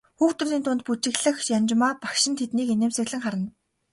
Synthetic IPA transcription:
xuːkt̪ʊ̆riːnt̪ʰʊnt̪̚put͡ɕɪ̆ɣɮɘ̆xjamʲt͡ɕmaːpḁkʃɪ̆nt̪ʰet̪niːkeneːmsɘ̆ɣɮɘ̆ŋχaɾə̆n

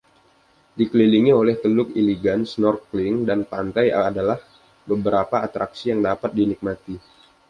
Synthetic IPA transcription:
dikəliliŋiolɛht̪əlʊkiliɡansnɔrklɪŋdanpant̪ajaadalah | bəbəɾapaːt̪ɾak̚sijaŋdapat̪̚dinik̚mat̪i

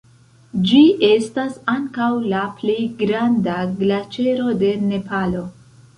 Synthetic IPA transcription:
d͡ʒiʔe̞stasaŋkawlaplejɡɾandaɡlat͡ʃe̞ɾo̞de̞ne̞palo̞

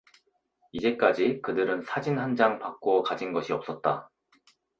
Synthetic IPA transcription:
id͡ʑe̞k͈ad͡ʑikɯdɯɾɯnsʰad͡ʑinhand͡ʑaŋpak͈̚okad͡ʑinɡʌɕʰiʌp̚s͈ʌt̚t͈a

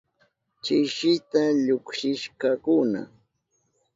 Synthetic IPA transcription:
t͡ʃɪʃɪt̪aʎʊkʃɪʃkakʊna̰

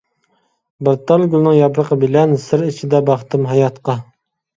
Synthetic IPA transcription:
bəɾt̪ɑlˠɡʲylˠnɨŋjɑbɾəqəbɪlɛnsɨɾit͡ʃʰid̪ɛbɑχt̪ɨmɦɑjɑt̪qɑ

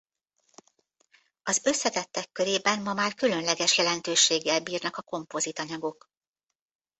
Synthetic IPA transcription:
ɒzø̞sːɛt̪ɛt̪ːɛkːø̞ɾeːbɛnmɒmaːrkylø̞nlɛɡɛʃjɛlɛnt̪øːʃeːɡːɛlbiːrnɒkɒko̞mpo̞zit̪ɒɲɒɡo̞k

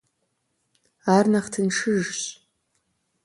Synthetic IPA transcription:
arnaχtʰɨnʂɨʒɕʼ

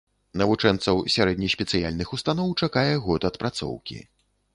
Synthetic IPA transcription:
nɐvut͡ʂɛnt̪sɐwsʲaɾɛd̪nʲɐjsʲpʲɛt̪sɨjalʲnɨxust̪anɔwt͡ʂakajɛɣɔt̪ɐt̪pɾat̪sɔ̰wkʲḭ

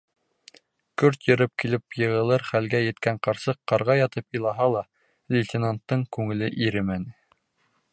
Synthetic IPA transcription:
kɵɾt̪jɤ̆ɾɘp̚kilɘpjɤ̆ʁɤ̆lˠɤɾχælɡæjɘ̆t̪kæɴqɑɾsɤqːɑɾʁɑjɑt̪ɤpilˠɑɦɑlˠɑ | lʲɪtʲɪnant̪ːɤɴkʉŋɘ̆lɘʔiɾɘmænɘ

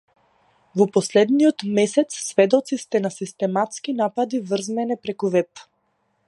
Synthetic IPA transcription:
vɔpɔslɛd̪niɔt̪mɛsɛt̪ssvɛd̪ɔt̪sist̪ɛnasist̪ɛmat̪skinapad̪ivr̩zmɛnɛpɾɛkuvɛp

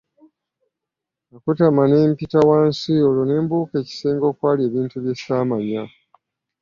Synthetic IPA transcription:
akutamane̞ːmpitawaːnsiolone̞ːmbuːke̞ːci̥se̞ːŋɡo̞ːkwaːlie̞ːβiːntuβje̞saːmaɲa

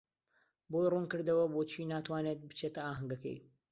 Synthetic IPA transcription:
bojrunkɨɾd̪ɐwɐboːt͡ʃʰiːnaːt̪waːnet̪̚bɨ̥t͡ʃʰet̪ɐaːɦɨŋɡɐkḛj

